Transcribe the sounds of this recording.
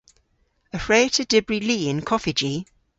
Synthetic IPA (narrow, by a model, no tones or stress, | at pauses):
əfɹeɪtʰəd̥ɪbɹiliːɪ̃nkʰɒfɪd͡ʒi